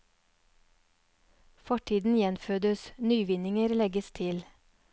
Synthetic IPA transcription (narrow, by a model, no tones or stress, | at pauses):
fɔʈʰiːd̪n̩jɛnføːd̪əsnyːʋɪnɪŋəɾlɛɡəst̪ʰɪl